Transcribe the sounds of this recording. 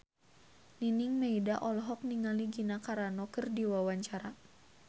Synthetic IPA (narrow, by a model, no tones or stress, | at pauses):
niniŋmeidaʔɔlɦɔk̚niŋaliɡinakaɾanɔkɨrdiwawaɲt͡ʃaɾa